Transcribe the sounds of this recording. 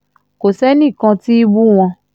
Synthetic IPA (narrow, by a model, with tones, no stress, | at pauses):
ko˨sɛ˦nĩ˦˨kã˧ti˦i˦bu˦w̃ɔ̃˧